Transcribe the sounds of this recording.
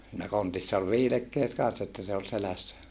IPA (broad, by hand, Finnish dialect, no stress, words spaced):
siːnæ kontisːɑ ol ʋiːlekːeːt kɑnsːɑ etːæ se ol selæsːæ